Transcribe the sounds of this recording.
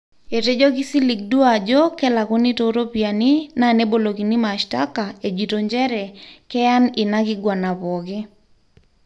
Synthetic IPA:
e˨te˦d͡ʒɔ˦ɡɪ˦si˦li˨k̚du˦ad͡ʒɔ˦kɛ˦la˨ko˦ni˦to˦ɾo˦pia˨nina˨ne˦bo˨lo˨ɡi˨ni˦maʃta˦ka˨e˨d͡ʒi˨to˨ɲd͡ʒɛ˦ɾɛ˨kɛ˦ja˦nɪ˨na˦ɡɪ˦ɡwa˨na˨pɔ˨ɡɪ˦

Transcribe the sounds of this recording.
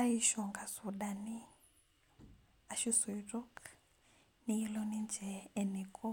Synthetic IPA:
a˦i˦ʃɔ˨ŋɡa˨su˨ɗa˨ni˦ | a˨ʃi˦su˨iɾɔ˦k | ni˦i˦lɔnind͡ʒɛː˨ni˨kɔ˦

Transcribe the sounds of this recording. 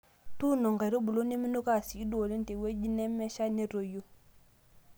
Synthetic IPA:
tu˦˨nɔ˨ŋɡa˨ɾo˦bu˨lo˦ne˦mi˦no˦ka˦˨siː˨˦do˨le˦n˦te˨we˦d͡ʒi˦nɛ˦mɛ˦ʃa˦ne˦ɾo˨jo˦

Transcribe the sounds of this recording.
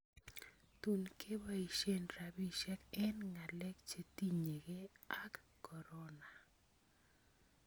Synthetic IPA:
t̪u˨nkʰe˦ba˦i˨ʃe˦nɾa˨bi˦ʃɛ˦kɛ˦nŋa˨lɛ˦k̚t͡ʃe˦t̪i˦ɲe˨ɡe˦a˦kːɔ˨ɾɔ˦na˨

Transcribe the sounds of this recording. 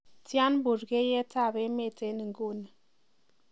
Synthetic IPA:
ta˦nbu˨ɾɡe˦je˦ta˦˨be˦me˦˨te˦ni˨ŋɡo˦˨nə˨

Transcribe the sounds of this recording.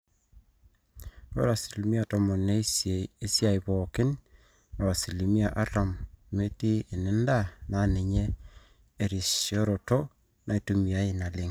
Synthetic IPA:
o̰˦ɾa˨si˨li˨mi˦a˨tɔ˨mɔ˨ne˦e˦sja˨ɪ˨βɔ˨kɪ˦n | ɔ˨ɾa˨si˨li˨mi˦a˨ʔa˦ɾa˨mme˦tiː˦˨nɪ˦nda˦na˨˦nɪ˨ɲeː˦˨ | ɾi˨so˦ɾo˨to˦ | nʔa˨i˨to˦mi˨a˦ɪ˨na˨lɪ˦ŋ

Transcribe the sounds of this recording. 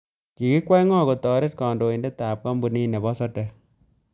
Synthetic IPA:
ki˨ki˦kwa˦jŋɔ˦˨ko˨tɔ˨ɾe˦t̚kɔ˨ndo˨i˨nde˦taː˨p̚ka˦mbu˨ni˦ne˨bɔ˦sɔ˦tɛ˨

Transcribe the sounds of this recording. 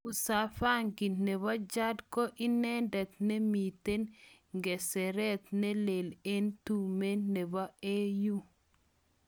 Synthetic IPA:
u˨sa˨fa˦ŋɡi˨nnɛ˨βa˦d͡ʒa˦dkɔ˦ʔi˦nɛ˦ndɛ˨t̪̚nɛ˦mi˨te˦nŋɡɛ˨sɛ˨ɾɛ˦t̪nɛ˦le˨le˦ntu˨me˦nːɛ˨ba˦e˦ju˦

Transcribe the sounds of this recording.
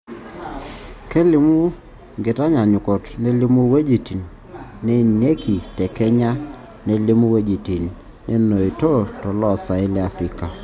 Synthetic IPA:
kɛ˦lɪ˦mu˦ | ŋɡɪ˨ta˦ɲa˨ɲu˨kɔ˨tnɛ˦li˦mu˦we˦d͡ʒi˨ti˨nː | ɛ˦ne˦ki˨tɛ˨kɛ˦ɲa˦ | ne˦li˦mu˦we˦d͡ʒi˨ti˨n | ne˦no˨i˨to˦tɔ˨lɔ˦˨sa˨ɪ˦lɛ˦a˨fɾi˦ka˨

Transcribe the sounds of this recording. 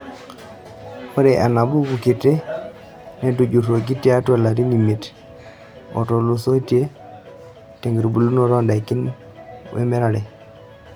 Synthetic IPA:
ko˦ɾe˨ʔa˨na˨bu˦ɡu˨ki˨te˦ | nɛ˦˨tu˨d͡ʒu˨ɾo˨k̬i˦te˦a˦twa˨la˨ɾi˦ni˨mi˨t | ɔ̰˨to˨lu˨so˦tje˦ | te˨ŋɡɾbu˨lu˦no˦ɾɔ˦nda˨ki˦n | wḛ˦mɛ˦ɾa˨ɾɛ˨

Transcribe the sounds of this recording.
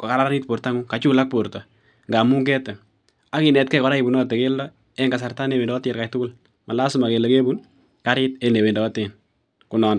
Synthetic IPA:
kɔ˨ka˨ɾa˦ɾa˦ni˦t̚po˨ɾta˦ŋu˦ka˨t͡ʃu˦la˦k̚poɾtɔ˨ | ŋɡa˨mu˦ŋɡɛ˦tɛ˨ | a˦ki˨nɛ˨t̚kɛ˦kɔ˨ɾa˦i˨bu˨nɔ˦te˨ke˦ldɔ | ɛŋɡa˨s̬a˨rta˦ne˨we˨ndɔː˦tɛ˨ɾka˨k̚tʊ˦kʊ˦l | ma˨la˦suma˨ke˨leke˦bu˦n | ka˦ɾɪ˦tene˨we˨ndɔ˨ɔ˦te˨n | ku˨nɔ˨n

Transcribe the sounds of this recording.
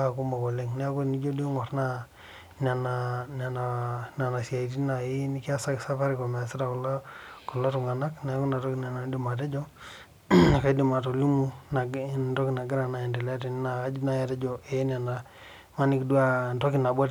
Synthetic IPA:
ku˦mba˨kɔ˨le˦ŋnɛ˦a˦ku˦ni˦d͡ʒo˦du˦ŋɔ˨ɾna˦ | na˨na˨na˨na˨na˨na˨sia˨i˨t̬i˦na˨i˦ni˦ki˦a˦sa˦sa˦fa˦ɾi˨kɔ˨ma˨si˦ta˨klkɔ˨la˦tu˨ŋɡa˨na˦knɛ˦a˦ku˦na˨tɔ˦ki˨na˨na˨˦di˨ma˨t̬ɛ˦d͡ʒɔ˦˨ | ka˦di˨ma˨to˨lu˦mu˦na˨ntɔ˦ki˨na˨ɡɪ˦ɾa˨na˨i˨ndɛ˨la˦t̬e˨n˦na˨˦d͡ʒna˦ja˨tɛ˦d͡ʒɔ˨ʔe˦n˨a˨na˨ | ma˦ni˦kdu˦a˦˨ntɔ˦ki˨na˨bwa˦

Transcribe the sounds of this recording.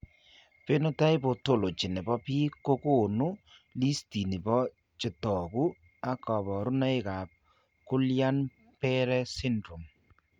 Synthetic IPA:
pe˦no˦ta˦ɪ˦bo˨to˦˨lo˨t͡ʃɪ˨nɪ˨bɔ˦pi˦ko˦ko˦˨nu˦ | li˦sti˨ni˨bɔ˦ | t͡ʃɪ˨tɔ˨ku˦ | a˦kɔ˨bɔ˨ɾʊ˦na˦ɪ˦ka˨p̚ | kʊ˦lja˦n | pɛ˦ɾɛ˦sɪ˦ndɾo˨m

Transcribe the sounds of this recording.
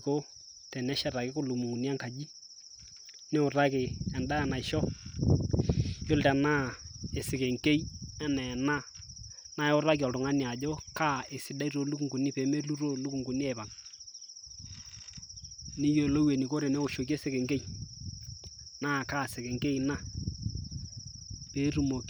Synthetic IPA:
ko˦ | tɛ˨nɛ˦ʃa˨ɾa˨kɪ˦kʊ˨lu˨mu˨ŋu˨ni˦a˦ŋka˨d͡ʒi˦ | nɛ˦ʊ˨ɾa˦kɪ˨ɛ˨nda˦a˨na˨ɪ˨ʃɔ˦ | jo˦ltɛ˨na˦e˨sɪ˨kɛ˨ŋke˦i˦ɛ˦nɛ˨na˦ | na˦ɛ˦ʊ˦ɾa˦ki˨ɔ˨ltʊ˨ŋa˦nɪ˨a˨d͡ʒo˦ka˦˨e˨sɪ˨da˦i˦ɾo˨lu˦ku˨ŋɡu˨nɪ˦pe˨˦me˦lu˦ɾo˦lu˦ku˨ŋɡu˨ni˦ɛ˦˨ba˨n | ni˦jo˦˨lo˦we˨ni˨ko˦ɾe˨ne˦ko˨ʃo˨k̬e˦sɪ˦˨kɛ˨ŋɡe˦i˨ | naː˦˨kaː˦sɛ˨kɛ˨ŋke˦i˨na˦ | peː˨˦ɾu˨mo˨k

